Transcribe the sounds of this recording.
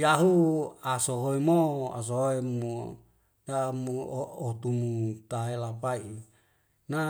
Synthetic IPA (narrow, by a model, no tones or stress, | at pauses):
jaɦuasoɦoemoa̰s̬ooemu | damuot̪umut̪aelapai | na